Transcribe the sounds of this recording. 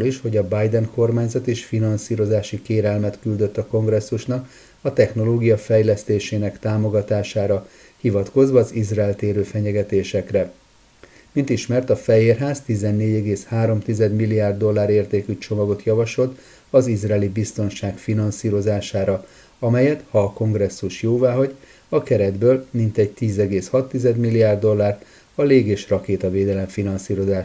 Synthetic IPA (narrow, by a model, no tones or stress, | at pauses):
liʃho̞ɟɒbajd̪ɛŋko̞rmaːɲzɒt̪eːʃfinɒnsiːɾo̞zaːʃikeːɾɛlmɛt̪kyld̪ø̞t̪ːɒko̞ŋɡrɛsːuʃnɒk | ɒt̪ɛxn̪o̞loːɡijɒfɛjlɛst̪eːʃeːnɛkt̪aːmo̞ɡɒt̪aːʃaːɾɒ | hivɒt̪ko̞zʋɒːzizraɛlt̪eːɾøːfɛɲɛɡɛt̪eːʃɛkrɛ | mint̪iʃmɛrt̪ɒfɛjeːrɦaːzt̪izɛnːeːɟɛɡeːshaːɾo̞mt̪izɛd̪milːijaːrd̪ːo̞lːaːɾeːrt̪eːkyt͡ʃo̞mɒɡo̞t̪jɒvɒʃo̞lt̪ | ɒzizrɛɛːlibist̪o̞nʃaːkfinɒnsiːɾo̞zaːʃaːɾɒ | ɒmɛjɛt̪hɒːko̞ŋɡrɛsːuʃjoːvaːɦɒɟ | ɒkɛɾɛd̪bøːlmint̪ɛɟ̚t̪iːzɛɡeːshɒt̪ːizɛd̪milːijaːrd̪ːo̞lːaːrt̪ | ɒleːɡeːʃrɒkeːt̪ɒveːd̪ɛlɛɱfinɒnsiːɾo̞zaːʃ